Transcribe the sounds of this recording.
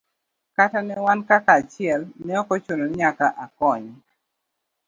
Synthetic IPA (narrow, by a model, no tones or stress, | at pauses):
katanɛwankakaːt͡ʃɪɛlnɛɔkɔt͡ʃonoɲakaʔakɔɲ